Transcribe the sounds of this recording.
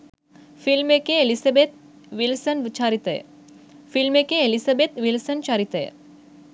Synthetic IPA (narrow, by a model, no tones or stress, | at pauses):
filmekeelisabet̪̚ | ʋilsənʋit͡ʃaːɾit̪ɐ̰j̰ | filmekeːlisabet̪ʋilsənt͡ʃaːɾit̪ḛj